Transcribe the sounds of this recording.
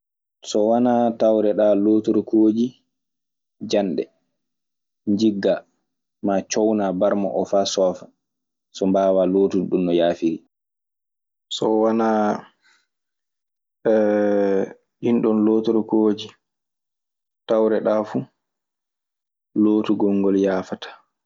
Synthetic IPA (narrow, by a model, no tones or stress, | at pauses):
sɔwanatawɾɛɗaːloːtɔɾɔkoːd͡ʒi | d͡ʒanɗɛ̰ | ɲd͡ʒiɡːa | mat͡ʃɔwnabaɾma̰ʔɔfaːsɔːfa | sɔmbaːwaloːtuɗunːɔjaːfiɾi | sɔwana | ɗinɗɔnloːtɔɾɔkoːd͡ʒi | tawɾɛɗaːfu | loːtuɡɔŋɡɔljaːfatḁ